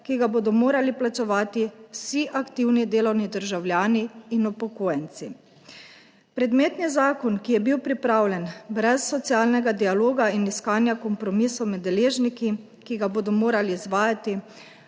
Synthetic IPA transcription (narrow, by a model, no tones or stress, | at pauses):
kiɡaboːd̪ɔmoːɾaliplat͡ʃɛʋaːt̪iwsiʔakt̪iwnid̪eːlɔwnid̪əɾʒawljaːniːnupɔkoːjɛnt̪si | pɾɛd̪meːt̪nizaːkɔnkijɛbiwpɾipɾaːwlʲɛnbɾɛsːɔt̪siaːlnɛɡad̪ialoːɡainiskaːnjakɔmpɾɔmisɔwmɛd̪ːɛleːʒniki | kiɡaboːd̪ɔmoːɾaliːzʋaːjat̪i